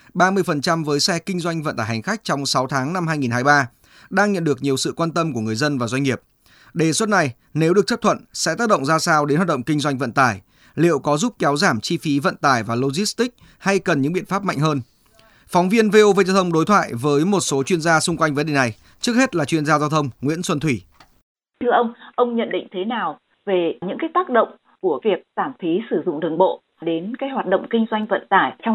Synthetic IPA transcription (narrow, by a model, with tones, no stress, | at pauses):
ɓaː˧mɨ˧əjfə˨˩nt͡ɕa˧mvəː˨˦jsɛ˧kï˧ŋzwa˧jŋ̟və̰˧˨nt̪aː˧˩ha˨˩ŋ̟xa˦˥k̟̚t͡ɕɔ˧wŋ͡msa˨˦wt̪ʰaː˨˦ŋna˧mhaː˧jŋi˨˩nɦaː˧jɓaː˧ | ɗaː˧ŋɲə̰˧˨nɗɨ˨˩ək̚ɲi˨˩əwsɨ̰˧˨kwaː˧nt̪ə˧mku˧˩əŋɨ˨˩əjzə˧nvaː˨˩zwa˧ŋi˨˩əp̚ | ɗe˧˩swə˦˥t̚na˨˩j | ne˨˦wɗɨ˨˩ək̚t͡ɕə˦˥t̪ʰwə̰˧˨nsɛ̰˧˥t̪aː˦˥k̚ɗə̰˧˨ŋ͡mzaː˧saː˧wɗe˨˦nhwa˨˩ɗə̰˧˨ŋ͡mkï˧ŋ̟zwa˧jŋ̟və̰˧˨nt̪aː˧˩j | lḭ˧˨əwkɔ˨˦zu˦˥p̚kɛ˨˦wzaː˧˩mt͡ɕi˧fi˨˦və̰˧˨nt̪aː˨˩jvaː˨˩lo˧zi˦˥st̪ï˦˥k̚ | ha˧jkə˨˩nɲɨ̰˧˥ŋɓḭ˧˨ənfaː˦˥p̚ma̰˧˨jŋ̟ɦəː˧n | fɔ˨˦wŋ͡mvi˧ənve˧ʔo˧ve˧zaː˧wt̪ʰə˧wŋ͡mɗo˨˦jt̪ʰwa̰ː˧˨jvəː˨˦jmo˨˩t̚so˨˦t͡ɕwi˧ənzaː˧sʊ˧ŋ͡mkwa˧jŋ̟və˨˦nɗe˨˩na˨˩j | t͡ɕɨ˦˥ək̚he˦˥t̚laː˨˩t͡ɕwi˧ənzaː˧zaː˧wt̪ʰə˧wŋ͡mŋwḭ˧˥ənswə˧nt̪ʰwi˧˩ | t̪ʰɨ˧əʔə˧wŋ͡mʔə˧wŋ͡mɲə̰˧˨nɗḭ˧˨ŋ̟t̪ʰe˨˦naː˨˩w | ve˨˩ɲɨ̰˧˥ŋkaː˨˦jt̪aː˦˥k̚ɗə̰˧˨wŋ͡m | ku˧˩əvi˨˩ək̚zaː˧˩mfi˨˦sɨ˧˩zʊ̰˧˨ŋ͡mɗə˨˩ŋɓo̰˧˨ | ɗe˨˦nkaː˨˦jhwaː˨˩t̚ɗə̰˧˨wŋ͡mki˧ŋ̟zwa˧jŋ̟və̰˧˨nt̪aː˧˩jt̪ʰɛ˧w